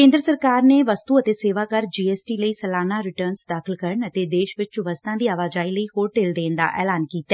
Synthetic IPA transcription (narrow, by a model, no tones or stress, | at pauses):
kẽːnd̪ɾəsəɾkaːɾneːʋəst̪uːət̪eːseːʋaːkəɾd͡ʒiːɛːsʈiːləiːsəlaːnaːɾɪʈəːɾnsd̪aːkʰɪlkəɾəɳət̪eːd̪eːʃʋɪt͡ʃt͡ʃʋəst̪ʰãːd̪iːaːʋaːd͡ʒaːiːləiːhoːɾʈeːld̪ẽːnd̪a̰ːʔɛ̰ːlaːnkiːt̪ɛː